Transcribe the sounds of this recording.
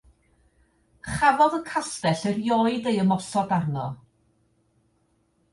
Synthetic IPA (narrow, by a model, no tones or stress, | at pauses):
χavɔðəkʰastɛɬərjɔɨdejəmɔsɔdarnɔ